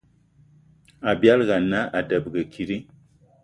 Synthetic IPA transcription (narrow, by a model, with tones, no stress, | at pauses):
a˨bja˦lɣa˨na˦a˨də˨b̚ɡə˨kʰi˨ɾi˦